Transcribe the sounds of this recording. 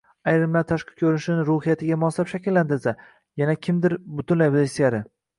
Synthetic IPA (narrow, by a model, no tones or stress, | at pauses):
ajɾɪmlaɾt̪ʰaʃqʰɨ̥kʲʰɵɾnʃɪnɪɾʊɦɪjat̪ʰɪɡʲamɒslapʃakʲɪlːant̪ɪɾsa | janakʲʰɪmd̪ɪɾbʊt̪ʰʊnlajbɪd̪esijaɾɪ